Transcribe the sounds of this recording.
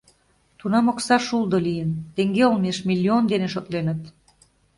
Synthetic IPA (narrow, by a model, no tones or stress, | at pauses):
t̪unɑmoksɑʃulˠd̪olijənt̪eŋɡeolmeʃmilʲːiond̪eneʃot̪lenə̆t̪